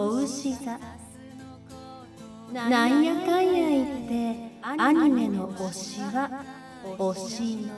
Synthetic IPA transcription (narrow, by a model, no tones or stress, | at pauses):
oɯɕiɡa | naijakaiait̪ːe̞aɲ̟ime̞nooɕiɡa | oɕi